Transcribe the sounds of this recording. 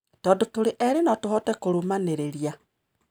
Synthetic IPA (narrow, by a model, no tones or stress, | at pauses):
tɔːndotoɾeʔɛɾenɔtohɔtɛkoɾumaneɾeɾia